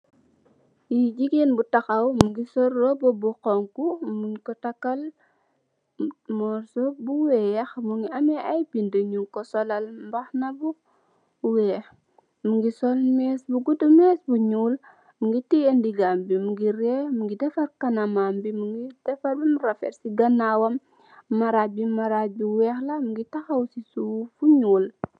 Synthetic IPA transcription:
jid͡ʒiɡenbutaxawmuŋɡisɔɾːobobuqɔŋkumunkɔtakːal | mɔɾsobuwejaxmuŋɡiameajbindəɲuŋkɔsɔlalmbaxnabu | we | muŋɡisɔlmɛːsbuɡudumɛsbuɲuːl | muŋɡitiendiɡambimuɡiɾɛmuŋɡidɛfɐɾkanamambimuŋɡid̥ɛfɐɾbimuɾafɛ̰ɾsiɡɐnawɐmː | aɾabimaɾabiwɛxlɐmuŋɡitaxawsisufuɲuːl

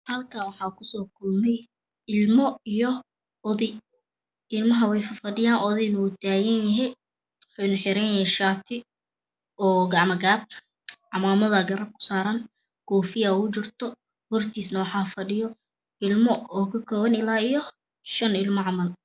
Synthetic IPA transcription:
hɐlkʰɐwɑħɑːkʰʊsɔːkʰʊlmɛj | ɪlmɔijɔ | ɔðɪj | ɪlmɐɦɐwɛjfɐfɐɖɪjaːnʔɔðɛjnɐwʊt̪ʰaːɣɐnjɐɦɛj | wħonɐħɪɾɐnjɐjɛʃaːt̪ʰɪ | ɔːɡɑʕmɐɡaːb̚ | ʕɑmaːmɐðɐɡɐɾɐb̚kʰʊ̥saːɾɐn | kʰɔːfɪjɐʊt͡ʃɪrt̪ʰɔ | hɔrt̪ʰiːsnɐwɑħɑːfɐɖɪjɔ | ɪlmɔɔːkʰɐkʰɔːwɐnɪlaːijɔ | ʃɐnɪlmɔʕɑmɐl

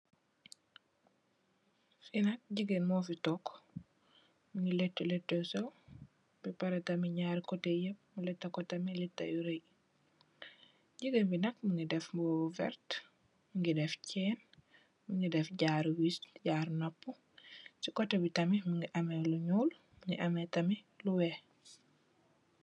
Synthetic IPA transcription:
finɐk̚ɟiɡenmɔːfitɔk | muŋɡiletːuletːɛsɛw | bipɐɾɛtɐmiɲaːɾkɔtejɐp̚mulɛtːɐkɔtɐmilitːɐ̰juɾej | ɟiɡəmbinɐkmuŋɡidɛfmbobuvɛ̰ɾt | muŋɡidɛfcʰɛːn | muŋɡidɛfɟaːɾwisɟaːɾnopːu | sikɔtɐbitɐmimuŋɡiʔɐmɛluɲɔl | muŋɡiʔɐmɛtɐmi | luwɛ

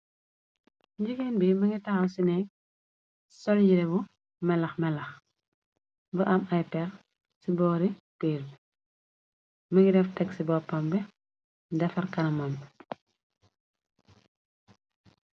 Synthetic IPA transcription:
ɲɟikɛnbimɐŋitɐxɐwsinɛk̚ | sɔlɟiɾɛbu | mɛlɐxmɛlɐx | bəʔɐmɐjpɛɾ | sibɔːɾi | peːɾ | mɐŋɡidɛftɛksibɔːpːɐmbɛ | dɐfɐrkɐnɐmɐm

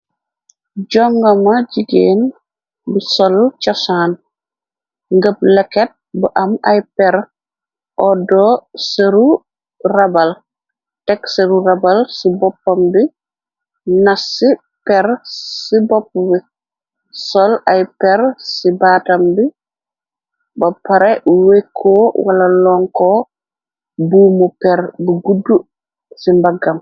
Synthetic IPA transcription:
ɟɔŋɡɐmɐɟiɡeːn | bisɔlt͡ʃɔsaːn | ŋɡəp̚lɛkːɛt̚buʔɐmɐjpɛɾ | ʔɔdɔsɐɾu | rɐbɐl | tɛksɐɾuɾɐbalsibɔpːɐmbi | nasi | pɛɾsibɔpːbi | sɔlajpɛɾsibaːtambi | bapaɾɛwekʰːowalalɔŋkɔ | buːmupɛɾbuɡudːu | simbaɡam

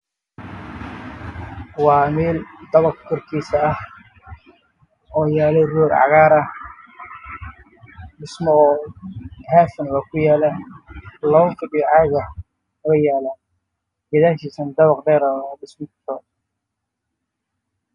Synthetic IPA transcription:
wɑːmɛːld̪ɐβɐqkʰɔrkʰiːsɐːh | ɔːjaːlɛrɔːɾʕɑ̰ɣaːɾɐ | ɖɪsmɔɔː | haːfɪnwakʰʊjaːla | lɔːʊfɪɖɪjɔʕɑːɣɐ | ɐɣɐjaːlaː | ɡɐðaːʃiːsɐnd̪ɐβɑqdɛːɾɐdɪsmɔt̪ʰɔː

